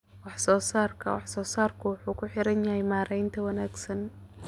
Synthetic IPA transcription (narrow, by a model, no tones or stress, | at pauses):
wɑħsɔːsaːrkʰɐ̰wɑ̰ħsɔːsaːrkʰʊwʊħuːkʰʊħɪɾɐnjɐhɛjmaːɾɛjnt̪ʰɐwɑnaːɡsɐn